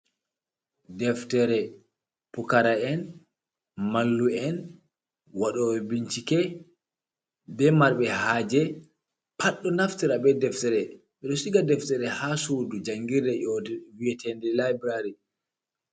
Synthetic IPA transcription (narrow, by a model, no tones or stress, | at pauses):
dɛftɛɾɛ | pukaɾaɛn | malːuɛn | waɗɔwɛbiɲt͡ʃikɛ | bɛmaɾɓɛhaːd͡ʒɛ | pʰaɗːɔnaftiɾabɛdɛftɛɾɛ | ɓɛɗɔsiɡadɛftɛɾɛhasudud͡ʒaŋɡiɾɛʔɔdwiɛtʰɛndɛlabɾaɾi